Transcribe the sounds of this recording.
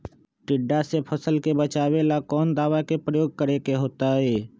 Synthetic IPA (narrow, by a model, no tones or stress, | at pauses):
ʈɪɖːasepʰəsəlkebət͡ʃaːwelakɔːnd̪aːʋakepɾəjoːɡ̚kəɾekeɦoːt̪aɦɛː